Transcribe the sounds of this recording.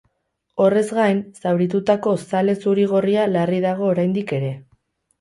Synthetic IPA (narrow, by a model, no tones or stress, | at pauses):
o̞re̞zɡajnsawɾit̪̬ut̪ako̞sale̞suɾiɣ̞o̞rialariðaɣ̞o̞ːɾajnd̪ike̞ɾe̞